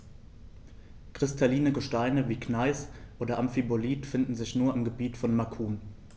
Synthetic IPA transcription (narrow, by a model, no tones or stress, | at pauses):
kʁ̥ɪstʰaliːnəɡəʃtaɪnəviːknaɪsʔoːdɐʔamfiboliːtfɪndn̩zɪçnuːɐɪmɡəbiːtfɔnmakʰuːn